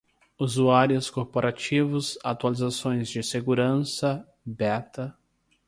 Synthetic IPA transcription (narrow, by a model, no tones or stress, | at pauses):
uzuaɾjʊskoɾpoɾat͡ʃivʊsat̪ualizasõj̃zd͡ʒɪseɡuɾɐ̃sɐ | bɛt̪ɐ